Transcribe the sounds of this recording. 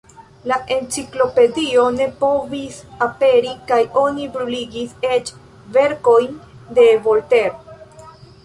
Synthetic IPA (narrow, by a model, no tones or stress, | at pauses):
laʔe̞nt͡siklo̞pe̞dio̞ne̞po̞visape̞ɾikajo̞nibɾuliɡise̞t͡ʃ | ve̞ɾko̞jnde̞vo̞lte̞ɾo